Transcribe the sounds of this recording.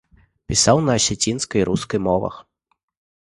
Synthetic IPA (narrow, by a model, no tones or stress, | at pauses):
pʲisawnɐːsʲat͡sʲinskɐjɾuskɐjmɔvɐ̰x